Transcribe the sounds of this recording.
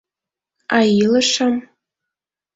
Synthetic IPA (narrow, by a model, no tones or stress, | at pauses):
ajilɨʂam